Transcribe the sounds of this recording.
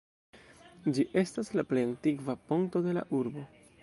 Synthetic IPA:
d͡ʒiʔe̞staslaple̞jantiɡvapoŋto̞de̞la̰ʔuɾbo̞

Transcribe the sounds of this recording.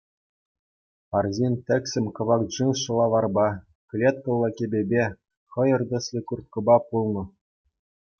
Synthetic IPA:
pɑrzʲinʲt̪ʲɘ̆kʲsʲɘ̆mʲkɤ̆ʋɑkʐɯnʂɤ̆lˠɑʋɑrbɑ | klʲet̪̚kɤ̆lˠːɤ̆kʲebʲebʲe | χɤ̆jɤ̆rd̪ɤ̆sʲlʲɘ̆kurt̪̚kɤ̆bɑpulˠnɤ̆

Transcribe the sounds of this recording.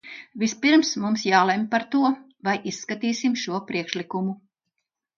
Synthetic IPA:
vispiɾmsmumsjaːlˠempaɾt̪uɔ | vajʔisːkat̪iːsimʃuɔpɾiɛkʃlikumu

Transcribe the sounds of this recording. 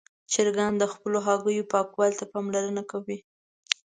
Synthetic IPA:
t͡ʃɪɾɡand̪əxpəloɦɑɡəjopɑkwɑlt̪apɑmlaɾənakawi

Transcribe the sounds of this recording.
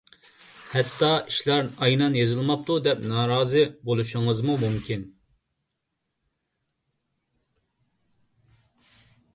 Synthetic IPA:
hɛt̪ʰːɑiʃlæɾɑjnɑnjezɨlˠmɑp̚t̪ʰud̪ɛpnɑːɾɑːzɨbolˠuʃʊŋɨzmumumkʲʰin

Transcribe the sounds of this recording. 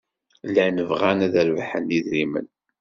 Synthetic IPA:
lænəvʁænæðəɾvħəniðɾimə̰n

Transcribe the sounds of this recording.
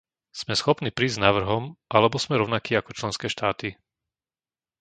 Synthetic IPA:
z̥mɛsxɔpniːpɾiːznaʋr̩ɦɔmʔalɛbɔsmɛɾɔʊnakiːakɔt͡ʃlɛnskɛːʃt̪aːt̪i

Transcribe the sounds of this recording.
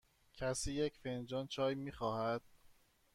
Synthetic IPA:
cʲʰæsiːjecʰfend͡ʒɒːnt͡ʃʰɒːjmiːxɒːhæd̪̥̚

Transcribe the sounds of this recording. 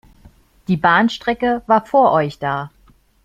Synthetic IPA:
d̥iːbaːnʃtʁ̥ɛkəvaːɐfoːɐʔɔʏçd̥aː

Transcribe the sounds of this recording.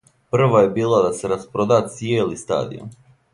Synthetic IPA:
pr̩ʋaje̞biːlˠad̪aseɾaspɾod̪at̪sjeːlist̪a̰ːd̪ḭo̰

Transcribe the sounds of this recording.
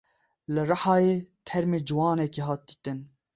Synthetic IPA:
lɨrɨħɑːjeːt̪ʰɛɾmeːd͡ʒɨwɑːnɛkeːɦɑːt̪̚d̪iːt̪ɨn

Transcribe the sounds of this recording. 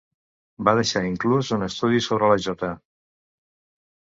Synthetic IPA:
baðəʃaiŋkluzunəst̪uðisoβɾələʒɔt̪ə

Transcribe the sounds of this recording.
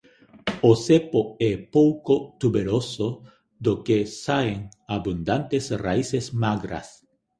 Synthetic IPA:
osepoɛpowkot̪uβeɾoso | d̪okesaeŋ | aβund̪ant̪esraisesmaɡɾa̰s

